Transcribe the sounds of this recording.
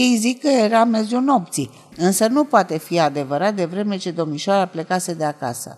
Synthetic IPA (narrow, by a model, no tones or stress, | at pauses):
ejzikːəjeɾame̞zuno̞p̚t̪si | ɨnsənupoat̪e̞fiad̪e̞vəɾat̪̚d̪e̞vɾe̞me̞t͡ʃe̞d̪o̞miʃoaɾaplekased̪eaka̰sə̰